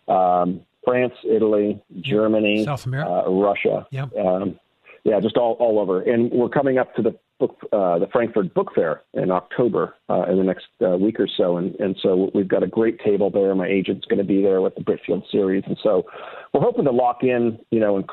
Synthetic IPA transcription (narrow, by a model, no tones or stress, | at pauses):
ʔʌ̃m | fɹæ̃nsɪɾl̩ˠid͡ʒɜ˞mɨni | ɹʌʃɨ̰ʌ̃ | jæd͡ʒʌstɔlˠɔlˠoʊvə˞ʔɨ̃nwɪɹkʰʌ̃mɪ̃ŋʌp̚tʰɨðɨ | b̥ʊkðɨfɹæ̃ŋkfə˞d̚bʊkfɛɹʔɪ̰̃nɑk̚tʰoʊbə̰˞ɪ̃nðɨnɛkst̚wikə˞soʊə̃nɨ̃nsoʊwivɡɑɾɨɡɹeɪtʰeɪbl̩ˠðə̃˞nmaɪʔeɪd͡ʒɨ̃ntsɡ̥ʌñɨbiðə˞wəðəbɹɪt͡ʃfḭlˠd̥sɪɹizn̩soʊwəɹɦoʊpɪ̃ŋðəlɔkɪ̃njɨñoʊə̃nk